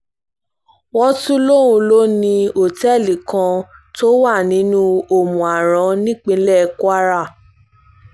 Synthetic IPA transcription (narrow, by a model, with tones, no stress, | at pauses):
wɔ˦tũ˦lo˦˨ɾũ˧lo˦nĩ˧o˨tɛ˦˨li˨kã˧to˦wa˦˨nĩ˨˦nũ˦o˦˨mũ˨a˨ɾ̃ã˨˦nĩ˦k͡pĩ˧˦lɛ˦˧ku˦a˦ɾa˦˨